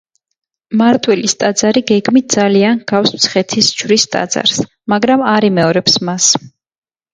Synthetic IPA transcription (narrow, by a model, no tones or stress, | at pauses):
maɾt̪ʼwɛlist̪ʼad̪zaɾiɡɛɡmit̪̚d̪zalianɡafsmt̪sʰχɛt̪ʰist͡ʃʰvɾist̪ʼa̰d̪za̰ɾs | maɡɾamaɾimɛɔɾɛpsmas